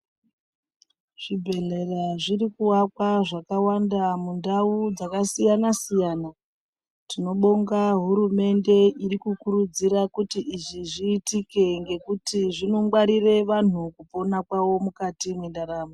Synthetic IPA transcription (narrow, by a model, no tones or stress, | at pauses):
ʐ̥ibʱe̞ɮe̞raʐirikuwakwaʐakawandamundaud͡zakasijanasijaːna | tino̞ɓo̞ŋɡaɦuɾume̞nde̞ʔiɾikukuɾud͡ziɾakutiʔiʐiʐiːtike̞ŋɡe̞kutiʐinomɡwaɾire̞ʋan̤ukupo̞nakwawo̞mukatimwendaɾaːma